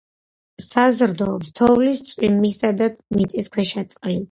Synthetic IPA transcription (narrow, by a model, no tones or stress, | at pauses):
sazɾd̪ɔːpst̪ʰɔvlist̪sʼwimːisad̪amit̪sʼiskʰwɛʃat̪sʼqʼli